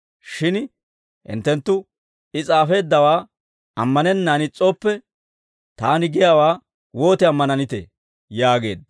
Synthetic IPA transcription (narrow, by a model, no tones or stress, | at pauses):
ʃɪn | ʔɪ̰nt̪ːɛnt̪ːʊ | ɪt͡sʼaːfe̞ːd̪ːɐwaː | ɐmːɐnɛnːaːnɪt͡sʼoːpːɛ | t̪aːnɪɡɪjaːwaː | woːt̪ɪɐmːɐnɐnɪt̪ḛ | jaːɡe̞̰ːd̪